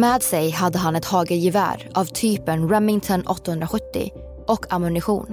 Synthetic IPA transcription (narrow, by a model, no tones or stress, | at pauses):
mɛːd̪sɛjhad̪ːəɦanɛt̪hɑːɡəɾjɪvæ̰ːɾavt̪ʰyːpənɾɛmːɪŋt̪ʰɔnʔɔ̰t̪ːahɵnd̪ɾaɧɵt̪ːɪ̰ | ʔɔkʰːamɵnɪɧṵːn